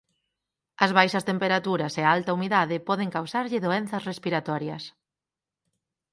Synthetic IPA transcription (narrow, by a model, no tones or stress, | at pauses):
ɐzβajʃɐst̪empeɾat̪uɾɐseaalt̪ɐumiðaðɪpɔðɪŋkawsaɾʎɪðoen̟θɐsrespiɾat̪ɔɾjɐs